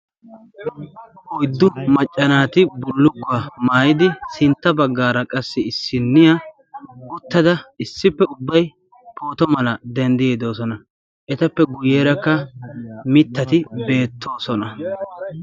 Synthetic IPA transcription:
ʔɔjd̪ːʊmɐt͡ʃʼːɐnaːt̪ɪbʊlːʊkːʊamaːjɪd̪ɪsɪnt̪ːɐbɐɡːaːɾɐkʼɐsːɪɪsːɪnːɪja | ɡʊt̪ːɐd̪ɐɪsːɪpːɛʊbːɐj | pʰo̞ːt̪ɔmɐlɐd̪ɛnd̪ɪjeːd̪o̞ːsɔnɐ | ʔɛt̪ɐpːɛɡʊjeːɾɐkːɐ | mɪt̪ːɐt̪ɪbe̞ːt̪ʰːo̞ːsɔnɐ

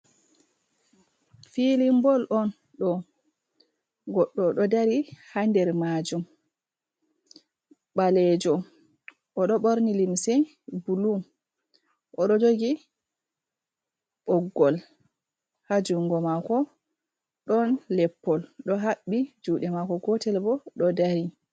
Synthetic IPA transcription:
filimbɔlʔɔn | ɗɔ | ɡɔɗːɔɗɔdaɾihandɛɾmad͡ʒum | ɓalɛd͡ʒɔ | ʔɔɗɔɓoɾnilimsɛ | bulum | ʔɔɗɔd͡ʒoɡi | ɓɔɡːɔl | had͡ʒuŋɡɔmakɔ | ɗɔnlɛpːɔlɗɔɦaɓːid͡ʒuːɗɛmakɔɡɔtɛlbɔɗɔdaɾi

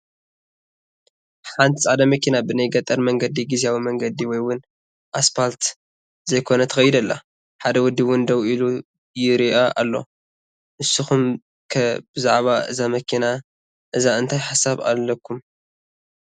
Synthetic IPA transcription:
ħant̪ʰisʼad̪ɐmɐkʰinabɨnajɡɐt̪ʼɐɾmɐŋɡɐd̪iɡizijawimɐŋɡɐd̪iwɔjwʊn | ʔaspalt̪ | zɐjkʰo̞nɐt̪ʰɐ̥xɐjɪd̪ɐlːa̰ | ħad̪ɐwʊd̪ːiwʊnd̪ɐwilu | ɨjɾiʔaʔa̰lːo̞̰ | nɨsːɨxum | kʰɐbɨzaʕβaʔɨzamɐkʰina | ʔɨzaɨnt̪ʰajħasaβa̰lːɐkʰːum

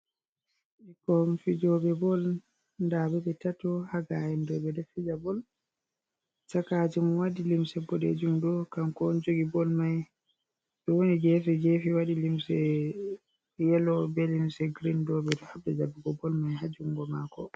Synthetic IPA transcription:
ʔikɔmfid͡ʒɔbɛbɔl | ndabɛbɛtatɔhaɡajɛndɔbɛdɛfid͡ʒabɔl | t͡ʃakad͡ʒimɔwadilimsɛbɔdḛd͡ʒumdɔkamkɔnd͡ʒoɡibɔlmaj | bɛwonid͡ʒɛfɛd͡ʒɛfiwadilimsɛ | jɛlɔbɛlimsɛɡɾindɔbɛtɔhabːɛd͡ʒabiɡɔbɔlmajɦad͡ʒuŋɡɔmakɔ

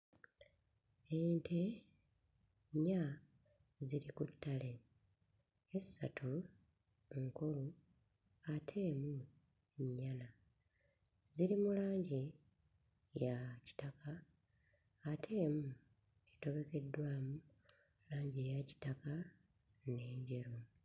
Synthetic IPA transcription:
eːntʰe̞ | ɲːa | ziɾikutːale̞ | esːa̰tʰu | ŋkulu | atʰe̞ːmu | ɲːana | ziɾimulaːɲɟe | jaci̥taka | tʰe̞ːmu | eto̞βe̞ke̞dːwaːmu | laːɲɟejaci̥taka | ne̞ːɲɟeɾu

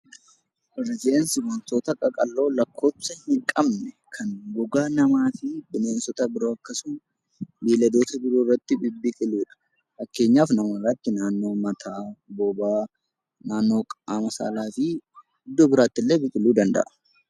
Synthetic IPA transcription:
bɪrːɪd͡ʒnsɪmɐnt̪o̞ːt̪ɐkʼɐkʼɐlːo̞ːlɐkʰːo̞ːpsɐhɪŋkʼɐmnɛ | kʰɐŋɡʊɡaːnɐmaːfɪbɪne̞ːnsɔt̪ɐbɪɾoːɐkːɐsʊn | biːlɐd̪o̞ːt̪ɐbɪɾoːrːɐt̪ːɪbɪbːɪkʼɪluːᶑɐ̥ | fɐkːe̞ːɲːaːfnɐmɐrɐt̪ːɪnaːnːo̞ːmɐt̪ʰaːbobaː | naːnːo̞ːkʼaːmɐsa̰ːlaːfɪ | ɪd̪ːobɪɾaːt̪ːɪlːe̞ːbɪkʼɪluːd̪ɐnd̪ɐ̰ʔɐ̥

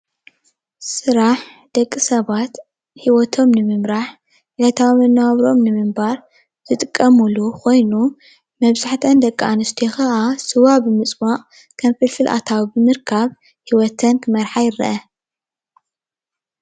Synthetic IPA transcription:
sɨɾaħ | d̪̥ɐkʼːɨsɐβat̪ | hiwɔt̪ʰo̞mnɨmɨmɾaħ | lajt̪ʰawmɐnːawaβɾo̞mnɨmɨmbaɾ | zɨt̪ʼɨkʼːɐmulukʰo̞jnu | mɐβzaħt̪ʰɐnd̪ɐkʼːʔanɨst̪ʰixɐʔasɨwabɨmɨt͡sʼmaqʼ | kʰɐmfɨlfɨlʔa̰t̪ʰawbɨmɨɾkʰaβ | hiwɔt̪ʰɐnkʰɨmɐɾħajɪɾːɐ̰ʔɐ

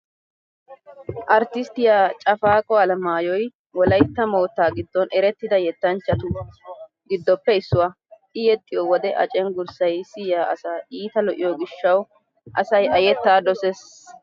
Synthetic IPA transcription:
ʔɐɾt̪ɪst̪ɪjaːt͡ʃʼɐfaːkʼɔɐlɐmaːjɔj | wɔlɐjt̪ːɐmo̞ːt̪ːaːɡɪd̪ːɔnɛɾɛt̪ːɪd̪ɐjɛt̪ːɐnt͡ʃːɐt̪ʊ | ɡɪd̪ːɔpːɛɪsːʊwaː | ɪjɛt̪ʼːɪjɔwɔd̪ɛʔɐ̰t͡ʃʼɛnɡʊɾsɐjsɪjaːʔɐsaːʔiːt̪ɐlɔʔɪjɔɡɪʃːɐw | ʔɐ̰sɐjɐjɛt̪ːaːd̪ɔses

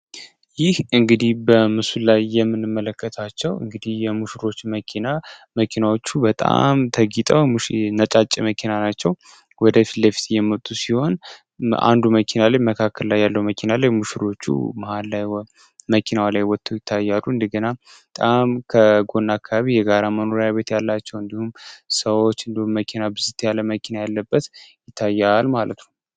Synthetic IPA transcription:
jɪhɨŋɡɨd̪ihbəmɨsulajːɛmːɨnːɨmːələkːət̪ʰat͡ʃːɛwɨ̰ŋɡɨd̪ihjɛmuʃɾo̞t͡ʃːməkʰinaməkʰinawo̞t͡ʃːubət̪ʼa̰mt̪ʰəɡit̪ʼəwmnət͡ʃʼat͡ʃʼːiməkʰinanat͡ʃːɛw | wɔd̪əfi̥t̪ləfi̥t̪jɛmːət̪ʼːusiho̞n | a̰nd̪uməkʰinalaɲməkʰakʰːəllajːalːəwməkʰinalaɲmuʃiɾo̞t͡ʃːṵmahalːaj | məkʰinawlajwɔt̪ʰːəwjɪt̪ʰːajːalːuɨnd̪əɡənat̪ʼamkʰəɡo̞nːakʰːaaβijɛɡaɾaməno̞ɾjaβe̞t̪jalːat͡ʃːɛwɨnd̪ihumsəwot͡ʃːɨnd̪ihumːəkʰinabɨzɨt̪jalːəməkʰinajalːəbːət̪jɪt̪ʰːajːalmalə̰t̪nəm

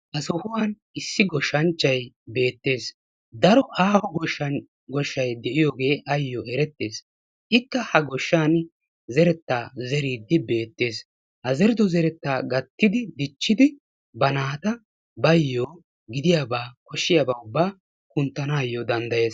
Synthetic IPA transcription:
hɐsɔhʊwaːn | ɪsːɪɡɔʃːɐnt͡ʃːɐj | be̞ːt̪ːe̞ːs | d̪ɐɾɔʔaːhɔɡɔʃɐ | ɡɔʃːɐjd̪ɛʔɪjoːɡe̞ːʔɐjːoːʔɛɾɛt̪ːe̞ːs | ʔɪkːɐhɐɡɔʃːaːn | zɛɾɛt̪ːaːzɛɾiːd̪ːɪbe̞ːt̪ːe̞ːs | hɐzɛɾɪd̪ɔzɛɾɛt̪ːaːɡɐt̪ːɪd̪ɪd̪ɪt͡ʃːɪd̪ɪ | bɐnaːt̪ɐ | bɐjːoː | ɡɪd̪ɪjaːbaːkɔʃːɪjaːbɐːʊbːaː | kʊnt̪ːɐnaːjːod̪ɐnd̪ɐje̞ːs

